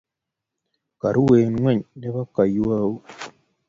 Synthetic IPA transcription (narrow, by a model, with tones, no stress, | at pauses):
ka˨ɾu˦we˨nŋwɛ˦˨ɲdɛ˦ba˦ka˨jwa˦u˦